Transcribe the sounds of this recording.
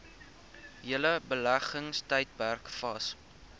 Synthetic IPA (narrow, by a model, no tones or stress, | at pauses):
iələbəlæχəŋstəjt̚pærkfɐs